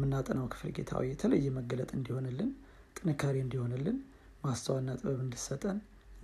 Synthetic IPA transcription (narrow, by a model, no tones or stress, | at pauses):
mːɨnːat̪ʼənawkʰɨ̥flɡe̞̰t̪ʰa̰wiɛt̪ʰələjːɛməɡələt̪ʼɨnd̪iho̞nɨlːɨn | t̪ʼɨnɨkʰːaɾiɨnd̪iho̞nɨlːɨn | mast̪ʰəwanːat̪ʼɨβəβɨnd̪isət̪ʼːən